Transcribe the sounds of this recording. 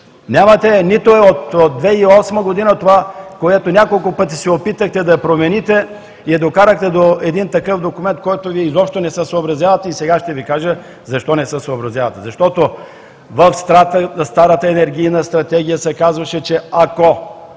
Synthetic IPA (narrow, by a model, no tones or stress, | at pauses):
nʲamɐt̪ɛnit̪oɛot̪od̪d̪vɛiɔsməɡod̪inət̪ovakoɛt̪onʲakolˠkʊpɤt̪̬isɛopit̪əxt̪ɛd̪ɐpɾomɛnit̪ɛ | iɛd̪okaɾəxt̪ɛd̪oɛd̪int̪ɐkɤfd̪okʊmɛnt̪̚kɔjt̪oviɛizɔpʃt̪onɛsəsoobɾɐzjavət̪ɛisɛɡaʃt̪ɛvikaʒə | zɐʃt̪ɔnɛsəsoːbɾɐzʲjavɐt̪ɛzɐʃt̪ɔt̪o | vɐfst̪ɾat̪st̪aɾət̪əɛnɛɾɡ̟ijnəst̪ɾɐt̪ɛɡ̟ijəsɛkazvɐʃɛt͡ʃɛako